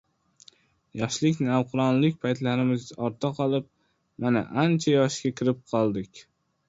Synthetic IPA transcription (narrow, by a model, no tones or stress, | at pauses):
jɒʃlɪkʲnɪawqʰʊɾɒnlɪkʲpʰajt̪laɾɪmɪzɒɾt̪ʰaqʰɒlˠɪp̚ | mana̰ʔant͡ʃʰajɒʃkʲakʲɪɾɪp̚qʰɒlˠd̪ɪkʲ